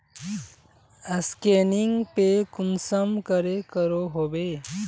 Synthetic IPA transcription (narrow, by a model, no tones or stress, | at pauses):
əskeniŋɡpekʊnsəmkəɾekəɾoɦobe